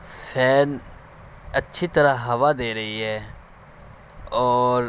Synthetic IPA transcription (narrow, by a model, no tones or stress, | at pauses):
fʰɛːn | ɐtːʃʰit̪ɐɾaɦɐʋad̪eːɾɐɦiɦɛː | ɔːɾ